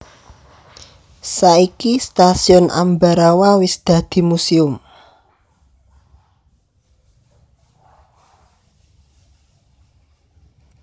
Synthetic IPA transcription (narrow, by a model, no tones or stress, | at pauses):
saikist̪asiɔnʔa̰mbaɾawawɪsd̪̥ä̤d̪̥i̤musiʊm